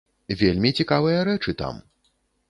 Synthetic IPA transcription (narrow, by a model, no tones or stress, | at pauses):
vʲelʲmʲit͡sʲikavɨjɐɾɛt͡ʂɨt̪a̰m